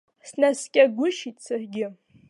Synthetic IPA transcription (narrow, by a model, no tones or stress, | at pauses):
snaskʲʼaɡʷʊʃitʼsarɡʲɪ